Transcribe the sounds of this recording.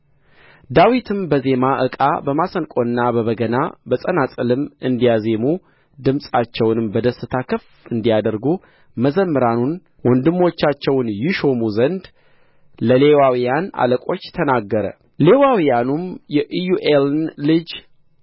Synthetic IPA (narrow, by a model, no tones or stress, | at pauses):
d̪awit̪ʰɨmbəze̞maʔɨkʼa̰bəmasənkʼo̞nːabəβəɡəna̰bəsʼənasʼəlɨmʔɨnd̪ijaze̞mu | d̪ɨmsʼat͡ʃːɛwnɨmbəd̪əsːɨt̪ʰakʰəf | ɨnd̪ijad̪əɾɡu | məzəmːɨɾanun | wɔnd̪ɨmːo̞t͡ʃːat͡ʃːɛwnjɪʃo̞muzənd̪ | ləle̞wawijana̰ləkʼo̞t͡ʃːt̪ʰənaɡːəɾə̰ | le̞wawijanumjɛʔjuʔelnlɨd͡ʒ